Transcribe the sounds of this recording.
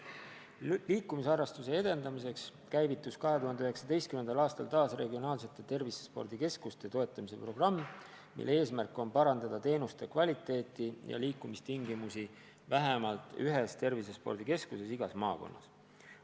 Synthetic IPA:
liːkːˑumisɑrɑst̪use̞ed̪̥e̞nd̪ɑmis̬e̞ks | kæjvit̪ːˑuskɑɦe̞t̪uhɑnd̪eyhɦe̞ksɑd̪e̞jst̪kymend̪ɑlɑːst̪ɑlt̪ɑːsre̞ɡio̞nɑːls̬e̞t̪ːˑe̞t̪e̞rvisespo̞̰rd̪̥ike̞skust̪e̞t̪o̞e̞t̪ˑːɑmise̞pro̞ɡ̥rɑmː | ḭlːee̞ːsmærkːˑo̞npɑɾɑnd̪̥ɑd̪ɑt̪e̞ːnust̪e̞kvɑlʲit̪ːˑe̞ːt̪ːˑijɑ̰liːkːˑumist̪iŋɡimusi | væɦemɑlt̪ˑyɦe̞st̪e̞rvisespo̞rɾd̪̥ike̞skuse̞siɡ̥ɑsmɑːko̞̰nːɑs

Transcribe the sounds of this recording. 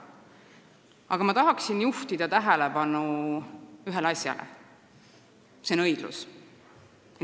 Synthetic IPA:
ɑɡ̥ɑmɑt̪ɑɦɑksinjuht̪id̪̥ɑt̪æɦɛlepɑnu | yɦe̞lɑsʲjɑ̰lʔḛ | seonɤ̞jd̪̥lṵs

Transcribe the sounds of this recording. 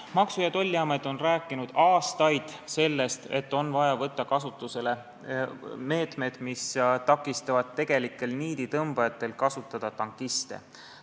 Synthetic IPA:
mɑksujɑt̪o̞lʲːiɑmejd̪o̞nræːkːˑinud̪̥ɑːst̪ɑjd̪̥se̞lːe̞st̪e̞̰t̪ːo̞nvɑjɑvɤt̪ˑːɑkɑsut̪ːˑuse̞le̞ | me̞ːt̪me̞d̪̥mist̪ɑkːˑist̪ɑvɑd̪̚t̪ːe̞ɡ̥e̞likːˑe̞lniːd̪̥it̪ɤmb̥ɑjɑt̪ːˑe̞lkɑsut̪ːˑɑd̪̥ɑt̪ɑŋkːˑist̪ḛ

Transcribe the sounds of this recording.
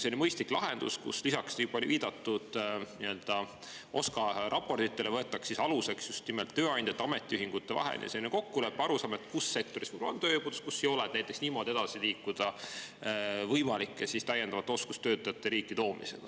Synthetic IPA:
senmɤjst̪liklɑɦe̞nd̪̥ṵskṵslisɑksnipolʲiviːd̪̥ɑt̪ːˑud̪̥niø̞ld̪̥ɑ | o̞skɑɾɑpːo̞rt̪it̪ːˑe̞le̞vɤe̞t̪ːˑɑksisɑluse̞ksjust̪nimelt̪ːø̞ːɑnʲd̪̥ʲet̪ːɑme̞t̪ʲːˑiyɦiŋɡ̥ut̪ːevɑ̰ɦḛnj̰ɑ̰seneko̞kːule̞pːɑɾusɑːmet̪ːˑkusːe̞k̚t̪o̞ɾisv̥ɯjb̥olnt̪øːjebud̪uskusːejo̞lɛd̥̪næjt̪ːˑeksniːmo̞d̪ie̞d̪ɑsiliːkːud̪̥ɑ | vɤjmɑlikːˑesist̪æjːend̪ɑvɑt̪ːeo̞skust̪øːt̪ːˑɑjɑt̪ːˑeɾiːkːˑit̪o̞ːmise̞̰ɡ̥ɑ̥

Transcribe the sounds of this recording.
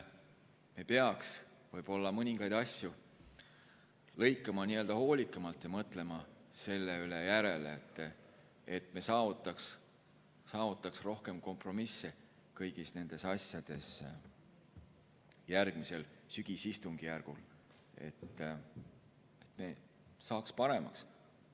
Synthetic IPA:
me̞pe̞ɑks | vɤjb̥o̞lːɑmɤnʲiŋɡ̥ɑjd̪̥ɑsʲju | lɤ̞jkːˑɑmɑniːø̞ld̪ɑho̞ːlʲikːˑɑmɑlt̪ːˑjɑmɤt̪ˑle̞mɑse̞lːeylejæɾe̞let̪ːˑ | et̪mesɑːvut̪ːˑɑks | sɑːvut̪ːˑɑksro̞hke̞mko̞mpro̞misːe | kɤjɡ̥isne̞nd̪̥e̞sɑsjɑd̪̥e̞s | jærɡ̥mise̞lsyɡ̥isist̪uŋɡ̥ijærɡ̥ul | e̞̰t̪ː | e̞t̪ˑme̞ | sɑːkspɑɾe̞mɑ̰ks

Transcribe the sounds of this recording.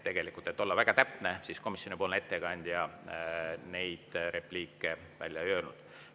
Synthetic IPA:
t̪eɡ̥e̞likˑult̪e̞t̪ːˑo̞lːɑvæɡ̥ɑt̪æpnesiːsko̞misjo̞nipolne̞t̪ːekɑnʲd̪̥jɑ | ne̞jd̪̥ɾe̞pliːkːˑe̞ | væ̰lʲjɑøːlnud̥̪

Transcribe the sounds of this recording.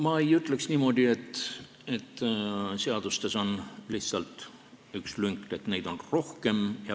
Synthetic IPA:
mɑejyt̪ˑle̞ksniːmo̞d̪ie̞t̪ː | e̞t̪ːse̞ɑd̪̥ust̪e̞so̞nliht̪sɑlt̪ | ykslyŋkt̪e̞t̪ne̞jd̪̥o̞nro̞hke̞mjɑ

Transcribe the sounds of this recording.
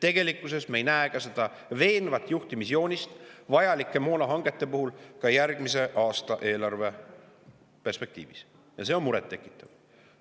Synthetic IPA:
t̪e̞ɡ̥e̞likːˑusesmejnæekɑse̞d̪̥ɑ | ve̞ːnvɑt̪ːˑjuht̪imisjo̞ːnʲist̪vɑjɑlikːˑe̞mo̞ːnɑɦɑŋɡ̥e̞t̪ːˑe̞puhulkɑjærɡ̥mise̞ʔɑːst̪ɑʔe̞ːlɑrve̞ | pe̞rspe̞k̚t̪ḭːvis | jɑse̞o̞nmuɾet̪ːe̞kːˑi̥t̪ˑːɑv̥

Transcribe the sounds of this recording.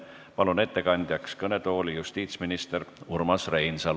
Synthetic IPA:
pɑlune̞t̪ːe̞kɑnʲd̪̥ʲjɑkskɤne̞t̪o̞ːlijust̪iːt̪sminist̪e̞ɾurmɑsre̞jnsɑl

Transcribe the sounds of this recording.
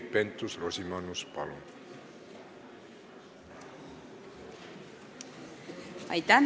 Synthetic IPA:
pent̪usrosimanuspalon | a̰jt̪an

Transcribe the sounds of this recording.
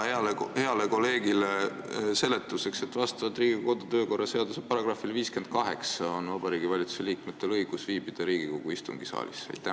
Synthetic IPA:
eɑlhe̞ɑle̞ko̞le̞ːɡilese̞let̪ːˑuse̞kse̞t̪ːˑvɑst̪ɑvɑt̪ːˑriːɡ̥iko̞d̪ut̪ø̞ːko̞rːɑse̞ɑd̪̥usepɑɾɑɡ̥rɑfilviːske̞nd̪̥̚kɑɦe̞ksɑo̞nvɑb̥ɑɾiːɡ̥ivɑlʲit̪su̥seliːkme̞t̪ːˑe̞lɤjɡ̥usviːb̥id̪̥ɑɾiːɡ̥iko̞ɡ̥uist̪ṵŋɡ̥isɑ̰ːlḭsḛjt̪ːˑæ

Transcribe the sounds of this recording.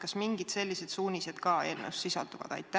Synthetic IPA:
kɑsmiŋɡid̪se̞lʲːise̞d̪̥suːnʲised̪kɑe̞ːlnḛwsːisɑ̰ld̪uvɑ̰d̪̥ɑ̰jt̪ˑːæ

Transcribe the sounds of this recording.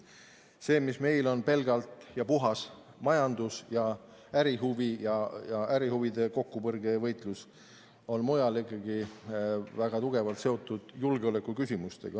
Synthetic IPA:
se̞ːmisme̞jlo̞npe̞lɡ̥ɑlt̪ˑjɑpuɦɑs | mɑjɑnd̪usjɑ | æɾiɦuvijɑjɑæɾihuvid̪e̞ko̞kːupɤrɡ̥e̞vɤjt̪ˑlus | o̞nmojɑlikˑːɑɡ̥i | væɡ̥ɑt̪uɡ̥e̞vɑlt̪se̞o̞t̪ːˑud̪̥julɡeo̞le̞kːˑukysʲimust̪e̞̰ɡ̥ɑ

